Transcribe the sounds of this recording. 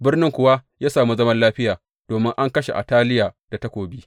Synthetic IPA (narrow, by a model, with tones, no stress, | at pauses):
bɪ˦rnɪ˦ŋkʷʊ˨wa˦jaː˦saː˨mu˦zɐ˦mɐ˦nlaː˦ɸɪ˦jaː˨ | d̥oː˨mɪ˦ŋʔa˦ŋkɐ˦ʃe˨ʔa̰˨taː˦lɪ˦jaː˨d̥a˨tɐ˦kʷoː˨biː˦